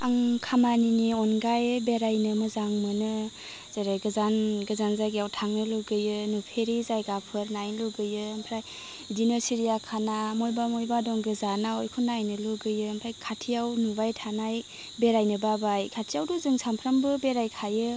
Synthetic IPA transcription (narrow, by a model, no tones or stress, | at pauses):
aŋkʰamaniniɔnɡajbeɾajnɯmɯzaŋmɯnɯ | z̥eɾajɡɯzanɡɯzanzajɡijawtʰaŋnɯluɡɯjɯnupʰeɾizajɡapʰɯɾnajnluɡɯjɯmpʰɾaj | dinɯsiɾijakʰanamɔjbamɔjbadɔŋɡɯzanawjkʰunajnɯluɡɯjɯmpʰɾajkʰatʰijawnubajtʰanaj | beɾajnɯbabajkʰatʰijawdɔzɯŋsampʰɾambɯbeɾajkʰajɯ